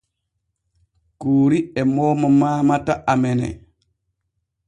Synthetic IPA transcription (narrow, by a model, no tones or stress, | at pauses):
kuːɾiɛmɔmɔmaːmataʔamɛnɛ̰